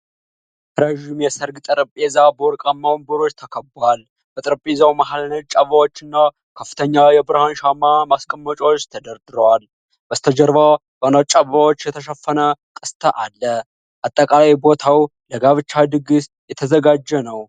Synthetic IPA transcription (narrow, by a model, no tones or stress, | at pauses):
ɾəʒimjɛsəɾɡt̪ʼɨɾəpʼezabəwɔɾkʼamːawnbɨɾo̞t͡ʃːt̪ʰəkʰəbal | b̥ət̪ʼɨɾəpʼezawmahalnət͡ʃʼaβawo̞t͡ʃːɪnːa | kʰəfːɨt̪ʰəɲːajɛbɨɾhanʃamːamaskʼəmːət͡ʃʼot͡ʃːt̪ʰəd̪əɾd̪ɨɾəwal | bəst̪ʰəd͡ʒəɾvabənat͡ʃʼaβawot͡ʃːjɛt̪ʰəʃəfːənəkʼɨst̪ʰəʔalːə | ʔat̪ʼːəkʼalajbo̞t̪ʰawləɡaβɨt͡ʃːad̪ɨɡɨs | jɛt̪ʰəzəɡad͡ʒːɛnəw